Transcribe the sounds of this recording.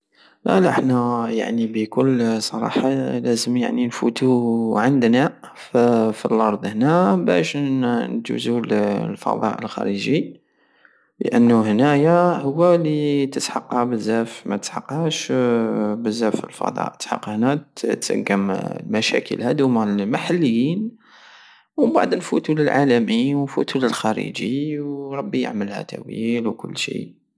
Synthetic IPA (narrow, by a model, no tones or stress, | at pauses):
læ̰laħnæja̰ʕnibəkʊlːsˤɑɾˤɑ̰ħɑlæzəmja̰ʕninfut̪uʕənd̪na | ffilʔɑɾˤd̪ˤhnæbæ̰ʃnt̪ṵzullfɑ̰d̪ˤɑ̰ʔəlxæ̰ɾəʒi | lə̰ʔənːuhnæjahʊwːælit̪əsħɑqhabəzːæfmæt̪əsħɑqːhæʃ | bəzːæfəlfɑ̰d̪ˤɑ̰ʔəħɑqːhnæt̪ə̰ɡəmlmæʃæ̰kəlhæd̪umaʕlmaħalːəjːin | wba̰ʕd̪nfut̪uləlʕalæmiwnfut̪uləlxæɾḭd͡ʒiwɾˤɑbːijə̰ʕməlhæ̰t̪ʰæwḭlwkʊlːʃḭ